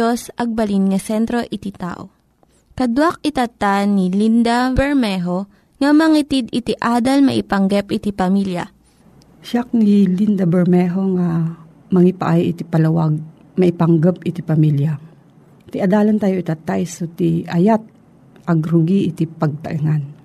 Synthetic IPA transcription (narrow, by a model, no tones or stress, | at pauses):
osʔɐɡ̚bɐlinŋɐsɛnt̪ɾo̞ʔɪt̪ɪt̪a̰ːʔo̰ | kɐd̪wak̚ɪt̪ɐt̪ːanilind̪ɐbɛɹmɛɦo | ŋɐmɐŋit̪id̪ɪt̪ɪʔaːd̪ɐlmɐ̰ʔɪpɐŋɡɛpʔɪt̪ipɐmiljɐ̰ | ʃak̚nilind̪ɐbɛɹmɛɦoŋa | mɐŋɪpaʔajʔɪt̪ipɐlɐwaɡ̚ | mɐʔɪpaŋɡap̚ʔɪt̪ipɐmilja | t̪ɪʔɐd̪aːlɐnt̪aːjoʔit̪ɐt̪ajsut̪iɐjat̪̚ | ʔɐɡɾʊɡiʔɪt̪ipɐɡ̚t̪ɐ̰ʔiŋan